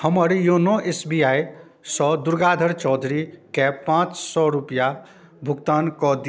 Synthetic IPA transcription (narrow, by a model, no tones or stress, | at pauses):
həmʌɾjonɔʔesbiaj | sʌd̪uɾɡad̪ʱəɾt͡ʃɔd̪ʱɾikepãt͡ʃsɔɾupja | bʱukt̪ankɔd̪i